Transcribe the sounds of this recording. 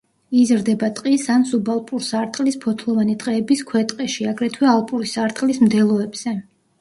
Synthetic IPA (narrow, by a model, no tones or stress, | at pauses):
izɾd̪ɛbat̪ʼqʼisansubalˠpʼuɾsaɾt̪ʼqʼlispʰɔt̪ʰlˠɔvanit̪ʼqʼɛːbiskʰwɛt̪ʼqʼɛʃiaɡɾɛt̪ʰwɛalˠpʼuɾisaɾt̪ʼqʼlismd̪ɛlˠɔɛbz̥ɛ